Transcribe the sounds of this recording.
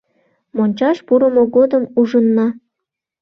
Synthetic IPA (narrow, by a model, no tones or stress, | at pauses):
monʲt͡ɕɑʃpuɾəmoɣod̪əmuʒənːɑ